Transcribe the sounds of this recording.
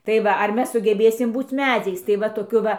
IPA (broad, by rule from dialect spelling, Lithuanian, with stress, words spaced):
tɐɪ ˈʋɐ ɐr ˈmʲɛs sʊɡʲɛˈbʲeːsʲɪm ˈbuːt͡s ˈmʲæːd͡zʲɛɪs tɐɪ ˈʋɐ toːˈkʲʊ ˈʋɐ